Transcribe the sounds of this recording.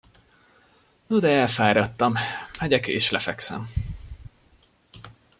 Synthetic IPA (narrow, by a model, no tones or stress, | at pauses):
nod̪ɛɛlfaːɾɒt̪ːɒmmɛɟɛkːʃlɛfɛksɛ̰m